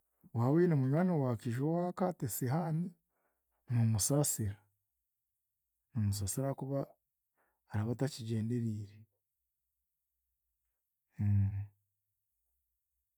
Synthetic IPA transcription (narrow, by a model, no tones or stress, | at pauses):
wawiːnemuɲwaːnewaːkiʒowakatesiɦani | numusaːsiɾa | numus̬aːsiɾakuβaː | ɾaβataciɟe̞ːnde̞ɾiːɾe